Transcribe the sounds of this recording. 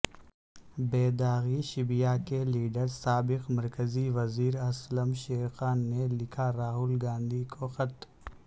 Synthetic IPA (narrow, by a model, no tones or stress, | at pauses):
beːd̪aːɣiʃɪbijakeliːɖəɾsaːbɪqmɐɾkəziʋɐziːɾɐsləmʃeːxaːnːelɪkʰaɾaːɦʊlɡãːnd̪ʱikʰoxɐt̪